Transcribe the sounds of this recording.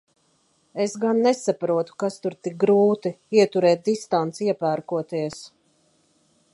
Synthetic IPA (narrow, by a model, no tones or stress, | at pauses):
esɡanːesapɾuɔt̪u̥kast̪uɾt̪ik̚ɡɾuːt̪iiɛt̪uɾɛːt̪̚d̪ist̪ant̪siɛpæːɾkuɔt̪iɛs